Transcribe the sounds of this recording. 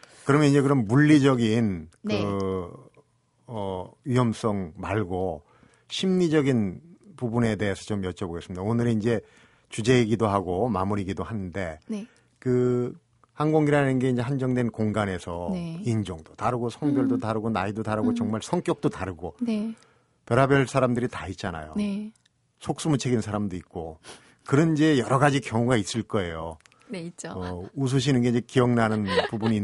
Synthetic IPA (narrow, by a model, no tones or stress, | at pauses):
kɯɾʌmjʌind͡ʑe̞kɯɾʌmːuʎːid͡ʑʌɡinkɯ | ʌɥijʌms͈ʌŋmaɭɡo | ɕʰimːid͡ʑʌɡinpubune̞de̞ɦesʰʌt͡ɕomjʌt͡ɕʰʌboɡesɯmidaonɯɾeind͡ʑe̞ | t͡ɕud͡ʑe̞iɡidoɦaɡomamuɾiɡidohanɯnde̞ | kɯ | hanɡoŋiɾanɯnɡe̞ind͡ʑe̞hand͡ʑʌŋdwe̞nkoŋɡane̞sʰʌind͡ʑoŋdotaɾɯɡosʰʌŋbjʌɭdotaɾɯɡonaidotaɾɯɡot͡ɕʌŋmaɭsʰʌŋk͈jʌk̚t͈otaɾɯɡo | pjʌɾabjʌɭsʰaɾamdɯɾitait̚t͡ɕ͈ana̰jo̰ | sʰok̚s͈umut͡ɕʰeɡinsʰaɾamdoit̚k͈o | kɯɾʌnid͡ʑe̞jʌɾʌɡad͡ʑikjʌŋuɡais͈ɯɭk͈ʌe̞jo | t͡ɕ͈ʌus̬ʰuɕ̬ʰinɯnɡe̞ind͡ʑe̞kiʌŋnanɯnpubuɲi